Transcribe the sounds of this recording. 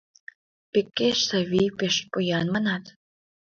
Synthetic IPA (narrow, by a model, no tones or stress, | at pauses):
pekːeʃsɑβʲijpeʃpujɑnmɑnɑt̪